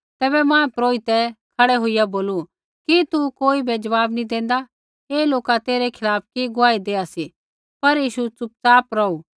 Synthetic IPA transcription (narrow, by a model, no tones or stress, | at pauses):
t̪ɛːbɛmãːɛpɾoːɪt̪ɛkʰɐɽɛɦʊijaboːlu | kit̪ukoːibed͡ʒɐʋaːbnid̪ẽːn̆d̪a | eːloːkat̪eːɾɛkʰɪlaːp̚ʰkiɡʊaːid̪eːasi | pɐɾjiːʃut͡sʊp̚t͡saːpɾɐu